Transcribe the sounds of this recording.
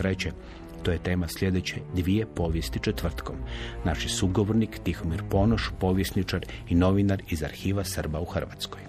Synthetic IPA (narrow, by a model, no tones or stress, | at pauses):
ɾet͡ɕe | t̪ojet̪e̞ːmaslje̞d̪et͡ɕḛd̪ʋie̞po̞ːʋje̞st̪it͡ʃet̪ʋr̩t̪ko̞mnaʃisuɡoʋo̞ɾnikt̪ixomiɾpo̞noʃpo̞ːʋjesnit͡ʃaɾino̞ʋinaɾizaɾxiːʋasərbauxr̩ʋa̰t̪sko̞j